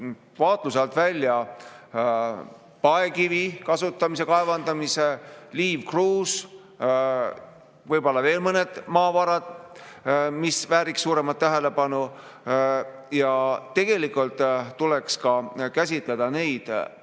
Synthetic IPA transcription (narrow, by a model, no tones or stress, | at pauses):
vɑːt̪ˑluselt̪vælʲːjɑ | pɑekivikɑsut̪ːˑɑmis̬ekɑevɑnd̪ɑmiseliːvkruːs | vɤjbo̞lːɑve̞ːlmɤne̞d̪̥mɑːvɑɾɑd̪̥ | misvæːɾiksːuːɾe̞mɑt̪ːæɦe̞le̞pɑnu | jɑt̪ːe̞ɡ̥e̞likult̪ˑːule̞kskɑkæs̬ʲit̪ˑled̪̥ɑne̞jd̪̥